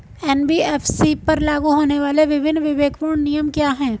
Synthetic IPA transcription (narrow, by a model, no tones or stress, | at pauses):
ɛːnbiːɛːfsipɐɾlaːɡuɦoːneʋaːleʋɪbʱɪnːʋɪʋeːkpuːɾɳnijəmkjaːɦɛ̃ː